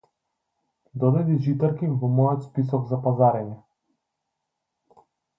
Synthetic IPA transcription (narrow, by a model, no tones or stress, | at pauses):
d̪ɔd̪ad̪iʒit̪ɛɾkimvɔmɔjɔt̪spisɔɡzapazaɾɛnɛ